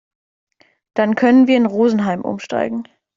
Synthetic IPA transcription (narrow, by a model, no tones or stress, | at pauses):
d̥ankʰœnənviːɐɪnʁoːzn̩ɦaɪmʔʊ̰mʃta̰ɪɡŋ̩